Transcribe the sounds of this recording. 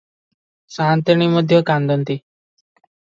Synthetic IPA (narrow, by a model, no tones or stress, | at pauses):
sãːnt̪əɳ̃iməd̪ʱjɔkãnd̪ənt̪i